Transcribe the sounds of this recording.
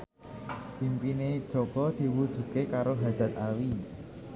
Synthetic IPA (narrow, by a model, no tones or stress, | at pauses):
pimpined̥ʒ̥ɔ̤ɡ̥ɔd̪̥i̤wud̥ʒ̥ṳt̪̚kekaɾoɦad̪̥ä̤t̪̚awi